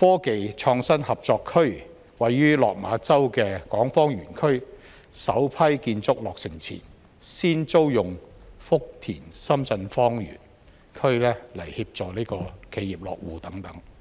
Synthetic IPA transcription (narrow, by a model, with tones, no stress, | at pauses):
fɔː˥ke˨jt͡ʃʰɔː˧ŋsɐ˥nhɐ˨p̚t͡sɔː˧kʰɵ˥ɥ | wɐ˨jːyː˥lɔ̰ː˨k̚ma̰ː˨˧˥t͡sɐ˥wkɛː˧kɔː˨˥ŋfɔː˥ŋjyː˨˩nkʰɵ˥ɥ | sɐ˨˥wpʰɐ˥jkiː˧nt͡sʊ˥k̚lɔː˨k̚sɪ˨˩ŋt͡sʰḭː˨˩n | siː˥nt͡so˥wjʊ˨˩ŋfʊ˥k̚t̪ʰḭː˨˩nsɐ˥mt͡sɐ˧nfɔː˥ŋjy̰ː˨˩n | kʰɵ˥ɥlɛː˥lɐ˨˩jhiː˧p̚t͡sɔː˨liː˥kɔː˧kʰe˨˧jiː˨˩p̚lɔ̰ː˨k̚wuː˨t̪ɐ˨˥ŋt̪ɐ˨˥ŋ